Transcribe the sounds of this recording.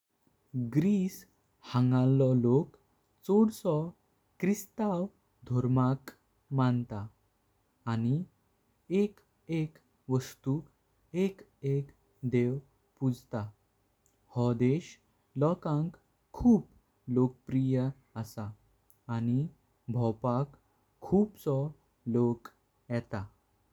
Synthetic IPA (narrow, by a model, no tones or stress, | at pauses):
ɡɾis | hãŋɡalɔlok | t͡soɽsɔ | kɾist̪aw | d̪ʱɔɾmak | mant̪aː | ñi | ek | ek | ʋəst̪u | ek | ek | d̪ew | pud͡zʱt̪a | hɔd̪eɕ | lɔkãŋkʰː | uːp | lokəpɾijə | əsaː | ni | bʱɔpakʰː | uːpt͡sɔ | lok | jɛt̪a